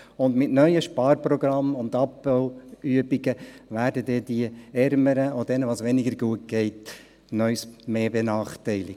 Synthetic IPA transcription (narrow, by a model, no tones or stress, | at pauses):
ʊndmɪtnœʏəʃpɑːɾpɾɔɡɾɑmʊndɑpːəlyəbiɡəʋæːɾdədɛdiəɛɾməɾəodɛnəʋɑːsʋɛnɪɡəɾɡuət̚ɡ̥ɛɪt | nœʏsmeːbenɑːχtɛɪlɪk